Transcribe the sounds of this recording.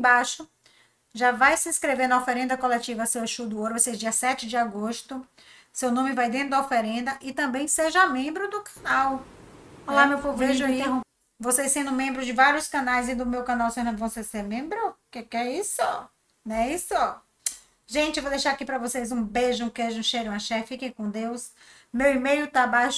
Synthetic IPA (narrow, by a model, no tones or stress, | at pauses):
baʃʊ | ʒavajsɪĩskɾeveɾnɐofeɾẽnd̪ɐkolɛt͡ʃivɐseweʃud̪ʊoɾʊesed͡ʒiɐsɛt͡ʃɪd͡ʒɪaɡoʃt̪ʊ | sewnõmɪvajd̪ẽt̪ɾʊd̪ɐofeɾẽnd̪ɐʔɪt̪ɐ̃mbẽj̃seʒɐmẽmbɾʊd̪ʊkʰɐnaw | olamewfoveʒĩ | vosejsẽnd̪ʊ̃mẽmbɾʊzd͡ʒɪvaɾiʊskɐ̃najzĩd̪ʊmewkɐ̃nawsenɐ̃d̪ʊvoseseɾmẽmbɾʊkekɛisʊɔ | nɛisʊɔ | ʒẽt͡ʃɪewvowd̪ejʃaɾakipɾɐvosejzũbeʒʊũkeʒũʃejɾũɐʃɛfikẽj̃kõd̪ews | mewimejʊt̪abajʃ